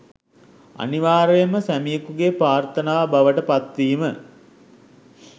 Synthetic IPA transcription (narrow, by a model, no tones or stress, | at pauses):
a̰niʋaːɾəjəməsæmijəkuɡepɾaːrt̪ənaːbaʋəʈəpat̪ʋiːmə